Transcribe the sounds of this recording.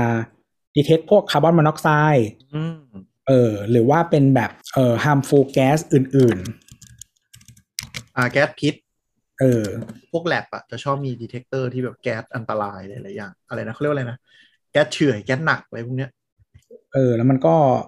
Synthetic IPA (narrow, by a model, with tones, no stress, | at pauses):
ʔaː˧ | diː˧t̪ʰe˦˥k̚pʰu˥˩əkʰːaː˧˩bɔ˥˩nma˧nɔ˦˥k̚saː˧˥˩jʔɯː˧ | ʔɤː˧ɾɯː˩˦waː˥˩pe˧nbɛː˨˩p̚ʔɤː˨˩haː˧mfoː˧kɛː˦˥sʔɯː˨˩nʔɯː˨˩n | ʔaː˨˩kɛː˦˥t̪̚pʰi˦˥t̪̚ | ʔɤː˧˩pʰu˥˩ək̚lɛ˨˩p̚ʔa̰˨˩t͡ɕa˨˩t͡ɕʰɔː˥˩p̚miː˧diː˧t̪ʰe˦˥k̚t̪ɤː˥˩t̪ʰiː˥˩bɛː˨˩p̚kɛː˦˥t̪̚ʔa˧nt̪a˧laː˧jlaː˧˦jlaː˩˦jaː˨˩ŋʔa˧ɾa˧jna˦˥x̚a˧jna˦˥ | kɛː˦˥t̪̚t͡ɕʰɯ˨˩əjkɛː˦˥t̪̚na˨˩k̚ʔa˧ɾa˧pʰu˥˩ni˦˥ɐ | ʔɤː˧lɛː˦˥wma˧nkɔː˥˩